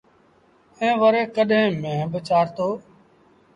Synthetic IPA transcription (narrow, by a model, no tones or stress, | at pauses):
ẽːʋəɾeːkəɗɦẽːmẽːɦbət͡ʃaːɾt̪oː